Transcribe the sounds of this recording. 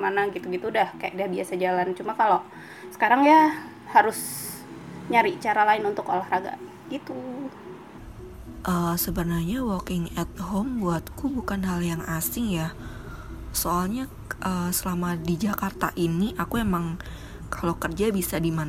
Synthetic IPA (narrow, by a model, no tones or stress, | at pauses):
manaɡit̪uɡit̪uːdahkaja̰k̚dahbiasad͡ʒalant͡ʃumakalo | sə̥kaɾaŋja | haɾʊs | ɲaɾiʔt͡ʃaɾalaɪnunt̪ʊko̰lahraɡa̰ | ɡ̥it̪u | ʔəːsəbənarɲawɔkɪŋɛt̪̚ɦombuat̪̚kubukanɦaljaŋasɪŋja | soalɲa | ʔəsəlamadid͡ʒakart̪a̰ʔiniʔakuemaŋ | kalokərd͡ʒabisadiman